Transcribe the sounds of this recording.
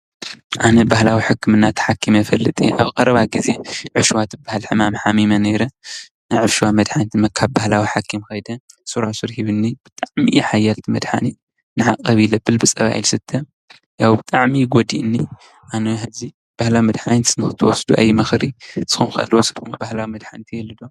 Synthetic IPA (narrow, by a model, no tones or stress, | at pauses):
ʔanɐbahlawiħɨkʰːɨmɨnːat̪ʰħakʰːimɐfɐlːɨt̪ʼḭʔaβkʼɐɾɐβaɡize̞ʕɨfʃwat̪ʰɨbahalħɨmamħamimɐnejɾɐ | najʕɨfʃwamɐd̪ħant̪ʰɨmɐkʰaβbahlawiħakʰːimxɐjd̪ɐsuɾasɨɾhiβɨnːib̥ɨt̪ʼaʕmijħajːalt̪ʰimɐd̪ħa̰ni | nɨħakʼːɐβilɐbːɨlbɨt͡sʼɐβa̰jilsɨt̪ʰːɐ | jawbɨt̪ʼaʕmiɡod̪iʔɨnːi | ʔanohɨzi | b̥ahlawimɐd̪ħant̪nɨxɨt̪ʰɨwɔsd̪uʔa̰jːimɐxɾisɨ̥xumxɨʔɐ̰lwɔsɨd̪kɨmːobahlawimɐd̪ħant̪ʰijɛlːɨd̪o